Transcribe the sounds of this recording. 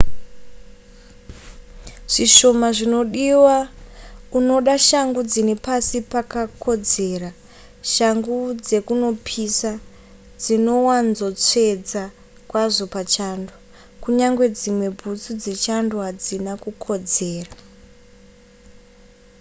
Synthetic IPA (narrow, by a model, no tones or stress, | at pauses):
ʐ̥iʃo̞maʐino̞ɗiwa | uno̞ɗaʃaŋɡud͡zinepasipakakʰo̞d͡ze̞ːra | ʃaŋɡud͡ze̞kuno̞pʰisa | d͡zino̞wanzo̞t͡se̞d͡za | kwaʐo̞pat͡ʃando | kuɲaŋɡwe̞d͡zimwe̞bʱut͡sud͡ze̞t͡ʃandoɦad͡zinakukʰo̞d͡ze̞ːra